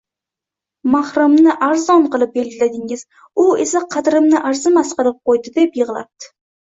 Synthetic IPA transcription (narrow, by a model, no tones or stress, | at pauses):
mahɾʊmnɪʔaɾzɒɴqɨlˠɪp̚be̞lɡʲɪlad̪ɪŋɪz̥ | ʊe̞saqʰɑd̪ɾɪmnɪʔaɾzɪmasqɨlˠɪp̚qojd̪ɪd̪e̞pjɨʁlˠa̰p̚t̪ʰɪ̥